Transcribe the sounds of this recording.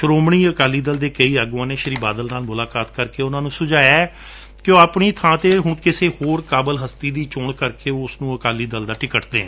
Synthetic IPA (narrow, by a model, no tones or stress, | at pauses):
ʃəɾoːmɳiːəkaːliːd̪əld̪eːkəiːəɡãːnẽːʃəɾiːbaːd̪əlnaːlmʊlaːkaːt̪kəɾkeːʊnãːnũːsʊd͡ʒaːɛː | kjõːaːpɳiːt̪ʰãːt̪eːɦʊɳkɪseːhoːɾkaːbəlɦəst̪iːd̪iːt͡ʃoːɳkəɾkeːoːʊsnũːəkaːliːd̪əld̪aːʈɪkəʈd̪ḛːɦɛ̃ː